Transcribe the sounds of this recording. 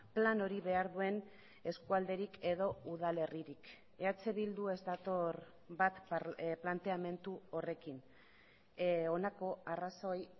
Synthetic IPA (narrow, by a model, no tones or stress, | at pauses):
plano̞ɾiβe̞aɾðue̞n | e̞skuald̪e̞ɾike̞ðo̞uð̞ale̞riɾik | e̞at͡se̞βild̪ue̞zt̪at̪o̞ɾ | bat̪plant̪e̞ame̞nt̪uo̞re̞kin | o̞nako̞araso̞j